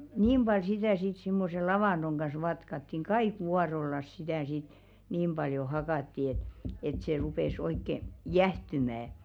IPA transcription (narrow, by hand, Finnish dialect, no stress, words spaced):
niːm b̥ɑl sitæˑ sit simːose lɑʋɑˑnd̥oŋ ɡ̊ɑs ʋɑtkɑtːiŋ̆ kɑik wuɑrolːɑs sitæˑ sit niːm b̥ɑljo hɑkɑtːi et et se rupes oikːe jæhtymæ